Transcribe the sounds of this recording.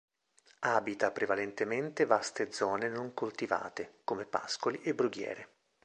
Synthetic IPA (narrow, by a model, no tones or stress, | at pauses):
aːbit̪apɾevalent̪ement̪evast̪ed̪zɔːnenoŋkolt̪iva̰ːt̪ekomepa̰skoliʔebːɾuɡjɛ̰ːɾe